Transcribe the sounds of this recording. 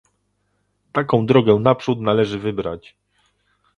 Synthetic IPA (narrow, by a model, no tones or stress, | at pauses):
t̪akɔ̃w̃d̪ɾɔɡɛnapʂut̪nalɛʐɘvɘbɾa̰t͡ɕ